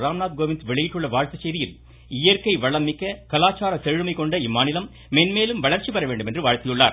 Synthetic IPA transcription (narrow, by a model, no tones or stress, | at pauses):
ɾaːmnaːt̪̚ɡoːʋɪnsʋɛɭɐjɪʈːɯɭːɐʋaːɻt̪ɐt͡ʃːɛjðɪjɪl | ɪjɐɾkɐɪʋɐɭɐmːɪkːɐkɐlaːt͡ʃːaːɾɐt̪ɛɻɯmɐɪkɔɳɖɐɪmːaːnɪlɐmːenmeːlɯmʋɐɭɐɾt͡ʃipɐɾɐʋeːɳɖɯmɛndrɯʋaːɻt̪ɪjɯɭːa̰ːɾ